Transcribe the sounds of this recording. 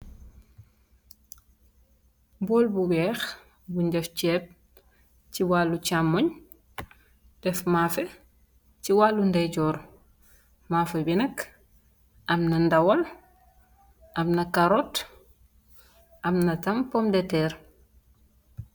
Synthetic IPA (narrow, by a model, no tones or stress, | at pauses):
bɔːlbuwɛːx | buɲɟɛft͡ʃɛːp̚ | ciwaːlːut͡ʃamːɔɲ | d̥ɛfmaːfɛ | ciwalːundɛɟɔːɾ | maːfɛbinɐk | ʔɐmnɐndɐwɐl | ʔɐmnɐkaɾɔt | ʔɐmnɐtɐmpɔmdɛtɛːɾ